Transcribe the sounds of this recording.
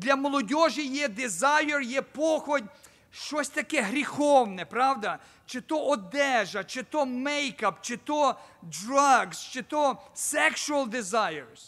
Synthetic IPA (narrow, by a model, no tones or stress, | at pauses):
d̪lʲɐmɔlˠɔdʲɔʒijɛd̪ɪzajɔrjɛpɔxɔdʲ | ʃt͡ʃɔsʲt̪ɐkɛɦɾʲixɔwnɛpɾɑwd̪ɐ | t͡ʃet̪ɔʔɔd̪ɛʒɐt͡ʃet̪ɔmɛjkɐpt͡ʃɪt̪ɔdrɐɡst͡ʃet̪ɔsɛkʃʊɐlˠd̪ɪzɑjeɾs